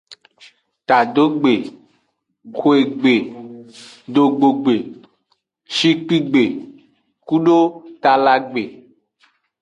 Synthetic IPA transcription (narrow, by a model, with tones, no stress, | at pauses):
t̪a˨ɖo˦ɡ͡be˨ | ko˦e˨ɡ͡be˨ | ɖo˨ɡ͡bo˨ɡ͡be˨ | ʃi˦k͡pi˦ɡ͡be˨ | ku˦ɖo˦t̪a˨la˦ɡ͡be˨